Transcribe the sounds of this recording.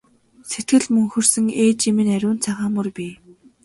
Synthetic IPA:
set̪̚ɡɘ̆ɮmɵŋxɵ̆rsɵ̆ŋeːt͡ɕimɘ̆næɾʲʊːnt͡sʰaʁaːmɵrpʲiː

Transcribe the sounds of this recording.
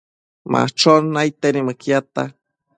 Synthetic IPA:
ma̰t͡ʃonːajt̪enimakjat̪a̰

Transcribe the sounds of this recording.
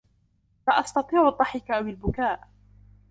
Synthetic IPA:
faʔɑst̪ɑt̪ˤiːʕʊd̪ˤːɑħɪkaʔwɪlbʊkaːʔ

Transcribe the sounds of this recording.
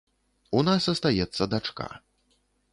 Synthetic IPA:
unasɐst̪ajɛt̪sːɐd̪at͡ʂka̰

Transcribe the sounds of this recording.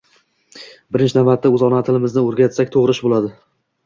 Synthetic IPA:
bɪɾɪnt͡ʃnavat̪ːaɵzɒnat̪ʰɪlɪmɪznɪoɾɡʲat̪sakʲt̪ʰoʁɾɪʃbolad̪ɪ

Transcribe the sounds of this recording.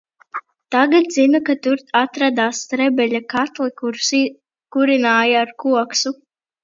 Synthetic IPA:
t̪aɡat̪zinakat̪uɾt̪ʰat̪ɾad̪aːst̪ɾɛbɛʎʲakat̪likuɾs | kuɾinaːjaːɾkuɔksu

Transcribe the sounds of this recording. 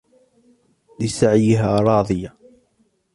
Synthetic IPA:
ðisaʕjiɦaɾˤɑːðˤɨja

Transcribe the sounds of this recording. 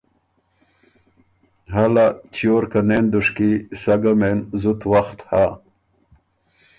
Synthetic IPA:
ɦalat͡ɕjoːɾkanend̪uʂkisaɡamenzut̪waxt̪ha

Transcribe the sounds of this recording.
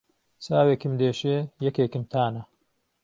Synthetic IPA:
saːweːkɨmd̪eːʃeːjɐkeːkɨmt̪ʰaːnɐ

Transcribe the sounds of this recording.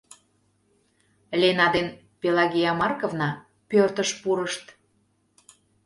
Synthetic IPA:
lʲenɑd̪en | pʲelɑɣʲijɑmɑrkovnɑ | pørt̪əʃpuɾəʃt̪

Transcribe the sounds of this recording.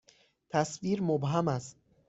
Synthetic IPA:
t̪ʰasviɾmobɦamast̪̚

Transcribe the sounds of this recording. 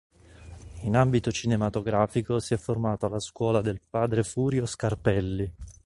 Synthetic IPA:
inambit̪ot͡ʃinemat̪oɡɾaːfikosiɛfːormaːt̪oalːaskwɔːlad̪elpaːd̪ɾefuːɾjoskarpɛlːi

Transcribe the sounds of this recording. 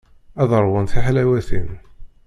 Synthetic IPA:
æðəɾˤwənθiħalæwæθḭn

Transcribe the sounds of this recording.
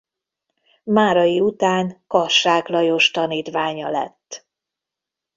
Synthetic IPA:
maːɾɒjiut̪aːŋkɒʃaːklɒjo̞ʃt̪ɒniːt̪ʋaːɲɒlɛ̰t̪ː

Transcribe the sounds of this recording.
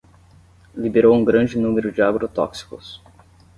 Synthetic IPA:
libeɾowũɡɾɐ̃d͡ʒɪnũmeɾʊd͡ʒɪaɡoɾot̪ɔ̰ksi̥kʊs

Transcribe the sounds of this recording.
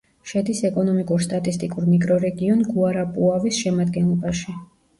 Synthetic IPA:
ʃɛd̪isɛkʼɔnɔmikʼuɾst̪ʼat̪ʼist̪ʼikʼuɾmikʼɾɔɾɛɡiɔnɡuaɾapʼuavisʃɛmad̪ɡɛnlˠɔbaʃi

